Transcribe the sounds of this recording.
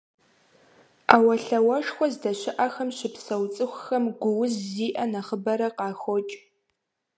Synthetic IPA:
aːwɐɬɐwɐʂxʷɔzdɐɕɪʔɐxɐmɕɪpsɐwt͡sʼɨxʷxɐmɡʷʊwʊzzːiːʔɐnɐχəbɐɾɐqɑːxʷot͡ʃʼ

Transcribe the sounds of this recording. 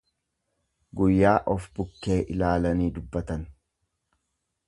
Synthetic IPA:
ɡʊjːaːʔɔfbʊkːeːʔɪlaːlɐniːd̪ʊbːɐt̪ɐn

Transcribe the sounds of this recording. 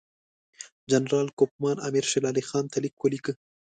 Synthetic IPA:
d͡ʒanɾɑːlkop̚mɑːna̰miɾʃɪlɑːlixɑːnt̪alikwəlikə

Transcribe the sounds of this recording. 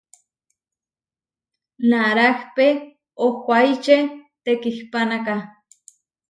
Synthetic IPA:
naɾahpe | okʷajt͡ʃet̪ekihpanaka

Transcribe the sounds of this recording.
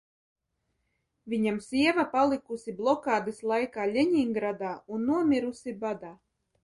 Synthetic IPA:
vʲiɲamsiɛvapalˠikusiblˠɔkaːd̪ɨslˠajkaːlʲeɲiŋɡɾad̪aːunːuɔmʲiɾusʲibad̪aː

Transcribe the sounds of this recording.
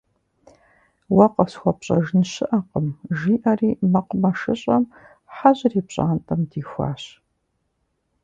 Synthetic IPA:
wɐqɐfsxʷɔpɕʼɐʒnɕɪʔɐqəmʒiːʔɐriːmɐqʷʊmɐʃɨɕʼɐm | ħaʑriːpɕʼa̰ːntʼɐmdiːxʷa̰ːɕ

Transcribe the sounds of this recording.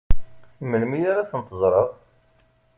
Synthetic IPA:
məlmijaɾaθənt̪ːəzˤɾˤəðˤ

